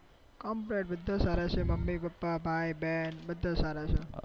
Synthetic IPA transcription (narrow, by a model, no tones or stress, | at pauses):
kɔmpɾeʈ̚bəd̪ʱːãsaɾat͡ʃʰeməmːipəpːabʱajbɛnbəd̪ʱːasaɾat͡ʃʰe